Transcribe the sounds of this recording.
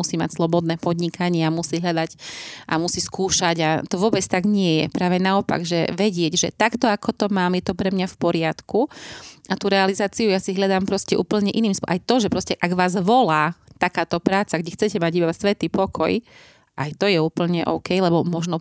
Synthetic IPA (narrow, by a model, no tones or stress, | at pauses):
usiːma̰cslˠɔbɔd̪nɛːpɔd̪ɲikʰaɲɪɛamusiːɦʎad̪aɟʔa̰musiːskuːʃaɟat̪ɔʋʊɔbɛt͡st̪aɡɲɪɛjɛ̰pɾaːʋɛnaɔpa̰ɡʒɛ̰ʋɛɟɪɛɟʒɛt̪akt̪ɔakɔt̪ɔmaːmjɛt̪ɔpɾɛmɲafpɔɾɪat̪kuat̪uɾɛalizaːt͡siujasiɦʎad̪aːmpɾɔscɛʔuːpl̩ɲɛʔiniːmsʔajt̪ɔʒɛpɾɔscɛʔaɡʋaːzʋɔlaːt̪akaːt̪ɔpɾaːt͡saɡɟɛxt͡sɛcɛmaɟibasʋɛt̪iːpɔkʰɔ̰j | ʔajt̪ɔjɛuːpl̩ɲɛʔɔ̰ʊkɛjlɛbɔmɔʒnɔ